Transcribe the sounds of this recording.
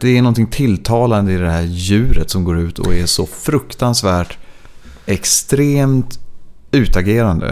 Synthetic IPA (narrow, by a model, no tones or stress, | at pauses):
d̪̥ɛænɔnt̪ɪŋt̪ʰɪlt̪ʰɑːland̪əɪd̪ɛhæːɾjʉ̟ːɾət̪sɔmɡoːɾʉ̟ːt̪ʰɔ̰ɛʂɔfɾɵkt̪ansvæːʈ | ɛkst̪ɾeːmt̪ | ʉ̟ːt̪aɡeːɾand̪ə̰